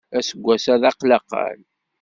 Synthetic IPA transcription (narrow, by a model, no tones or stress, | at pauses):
æsəɡʷːæsæðɑqlɑqə̰l